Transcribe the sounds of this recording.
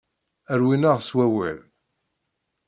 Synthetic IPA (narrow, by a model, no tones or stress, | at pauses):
əɾwinaʁswæwæ̰l